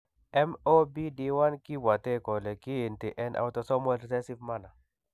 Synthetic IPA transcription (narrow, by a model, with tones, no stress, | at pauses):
ɛ˦mo˦bi˦di˦wa˦nki˦bwa˨t̪e˦kɔ˨lɛ˨kɪ˦e˨nti˨ʔɛ˦nʔa̰˦wtɔ˦sɔ˦mɔ˦lsɛ˦si˦vma˦na˨